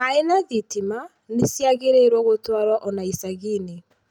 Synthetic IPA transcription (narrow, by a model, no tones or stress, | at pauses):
aenaðitima | nesjaɣeɾeɾwɔɣotwaɾwaʔɔnaisaɣine